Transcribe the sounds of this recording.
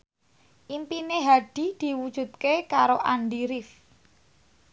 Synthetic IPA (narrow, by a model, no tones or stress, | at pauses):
ʔimpineɦaɖ̥i̤d̪̥i̤wud̥ʒ̥ṳt̪̚kekaɾoʔanɖiɾɪf